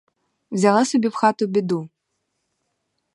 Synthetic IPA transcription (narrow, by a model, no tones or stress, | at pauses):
wzʲalˠasubʲipxat̪ubʲɪd̪u